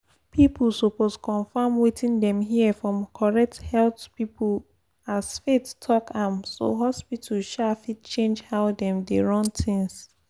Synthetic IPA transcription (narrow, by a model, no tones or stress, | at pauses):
pʰipʰl̩ˠsoposkʰɔ̃nfãmwitĩndɛ̃mɦiɛfɹɔ̃mkʰɔɹɛk̚thɛlθpipʰul | asfettʰɔkʰãmso̰ɦɔspitʰəlʃafit̚t͡ʃẽnd͡ʒhaʊdɛ̃mdeɹɔ̃ntʰĩŋs